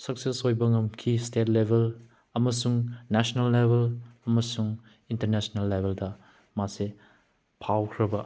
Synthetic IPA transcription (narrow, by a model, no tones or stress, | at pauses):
sɐk̚sesojbɐŋɐmkʰistetlebʱel | ɐmɐsuŋnasonɐlːebʱelɐmɐsuŋ | intɐɾnesonɐlːebʱeldɐ | mase | pʰawkʰɾɐbɐ